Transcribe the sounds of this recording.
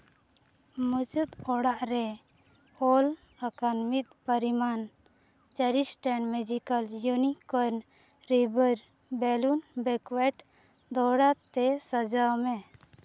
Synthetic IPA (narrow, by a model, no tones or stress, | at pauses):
mət͡ʃət̪ɔɽaʔɾɛ | hɔl | əkanmit̪̚pəɾiman | t͡ʃəɾisʈɛɳmɛd͡ʒikəljunikɔɾn | ɾibəɾ | bɛlunbɛkwɛʈ | d̪ɔɽat̪ɛsəd͡ʒamɛ